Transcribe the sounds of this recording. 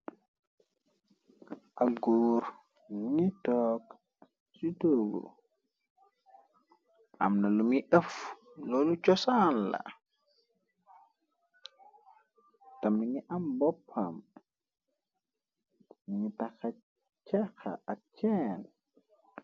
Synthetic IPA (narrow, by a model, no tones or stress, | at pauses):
ʔaɡuːɾ | nitɔːk | sutoɡo̰ | ʔa̰mnalumiʔəf | lolut͡ʃɔsanla̰ | tamːiɲiʔambɔpʰːam | iɲitaka | t͡ʃaka̰at͡ʃɛn